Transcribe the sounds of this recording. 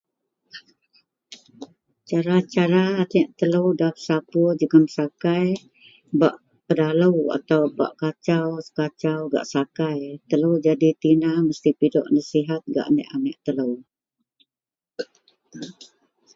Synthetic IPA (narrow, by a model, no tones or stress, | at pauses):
t͡ʃaɾat͡ʃaɾanɛʔt̪ələwdapsapud͡ʒəɡəmsakaj | baʔ | pədaləwa̰t̪awba̰ʔkat͡ʃawsə̥kat͡ʃawɡa̰ʔsakajt̪ələwd͡ʒadit̪inahməst̪ipidɔ̰ʔnəsiɦat̪̚ɡa̰ʔnɛ̰ʔanɛʔt̪ələw